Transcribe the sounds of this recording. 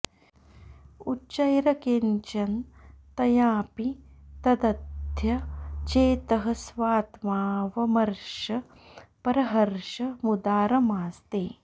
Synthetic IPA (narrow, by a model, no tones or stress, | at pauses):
ut͡ʃɐjɾɐkeɲt͡ʃɐnt̪ɐjaːpit̪ɐd̪ɐd̪ʱjɐt͡ʃeːt̪ɐɦɐ̆sʋaːt̪maːʋɐmɐɾʃɐ | pɐɾɐɦɐɾʃɐmud̪aːɾɐmaːst̪eː